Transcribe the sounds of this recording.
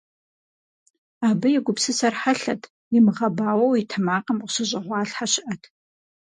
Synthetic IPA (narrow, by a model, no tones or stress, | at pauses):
aːbɐjɛɡʷʊpsɨsɐrħaɬɐtʰ | jɪmɨʁɐbaːwɐwitʰɐmaːqɐmqʷʊ̥ɕɨʑʼɪʁʷɑːɬħaɕɪʔɐtʰ